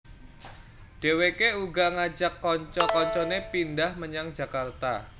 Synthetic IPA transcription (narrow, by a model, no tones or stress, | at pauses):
d̥ewekeuɡaŋad͡ʒakːɔɲt͡ʃɔkɔɲt͡ʃɔnepindahməɲaŋd͡ʒa̤kart̪a̰